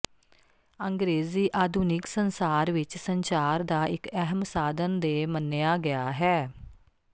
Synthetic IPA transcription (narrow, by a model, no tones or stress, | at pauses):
əŋɡɾeːziːʔaːd̪ʱuːnɪksənsaːɾʋɪt͡ʃsəɲt͡ʃaːɾd̪aːɪkɛɦəmsaːd̪ənd̪eːmənːɪjaːɡɪjaːɦɛː